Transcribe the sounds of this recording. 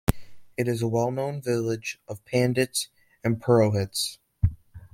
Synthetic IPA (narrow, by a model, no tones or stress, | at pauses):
ɨɾɨzəwɛlˠnõʊ̃nvɪlˠɪd͡ʒʔʌv̥pʰæ̃ndɨts | ɨ̃npʰə˞oʊɦɪts